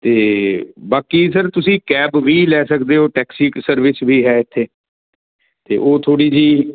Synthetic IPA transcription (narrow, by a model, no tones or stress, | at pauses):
t̪eːbaːkisəɾt̪ʊsĩːkɛːbʋiːlɛːsəkd̪eːɦoːʈɛːksiːsəɾʋɪsʋiːɦɛːɪt̪ʰːeː | t̪ḛːʔoːt̪ʰoːɽiːd͡ʒiː